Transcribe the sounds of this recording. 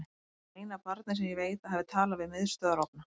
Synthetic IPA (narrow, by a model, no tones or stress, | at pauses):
ejnapaɾt̪nɪsɛmjɛveːjt̪aɦavðɪt̪ʰaːlavɪðmɪðst̪œːðaɾɔwp̚na